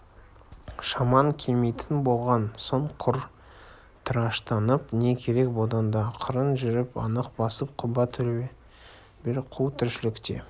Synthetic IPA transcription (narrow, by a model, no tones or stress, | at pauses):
ʃɑmɑŋkʲʰemejt̪ʰɪnbo̞lˠʁɑnsoɴqʰʊɾ | t̪ʰəɾɑʃt̪ɑnəpne̞kʲʰe̞ɾe̞k̚bod̪ɑnd̪ɑqʰəɾənʒʏɾɪpɑ̰nəqbɑsəp̚qʰʊbɑt̪ʰːʏle | bɪɾqʰuwt̪ʰʏɾʃɪlɪkt̪e̞̰